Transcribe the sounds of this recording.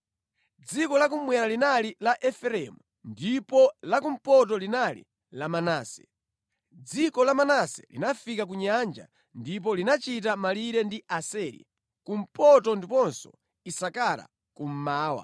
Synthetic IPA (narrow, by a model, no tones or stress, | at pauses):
d͡zikɔlak̬umwɛɾalinalilaʔɛfɛɾɛmu | ndipɔlakum̩pɔt̬ɔlinalḭ | lamanaːsɛ̥̰ | d͡zikɔlamanasɛ̥̰lḭnafikak̬uɲand͡ʒa̰ | ndip̬ɔlinat͡ʃitamaliɾɛndiʔasɛːɾḭ | kum̩pɔtɔndipɔnsɔ̰ | isakala̰ | kum̩maːwa̰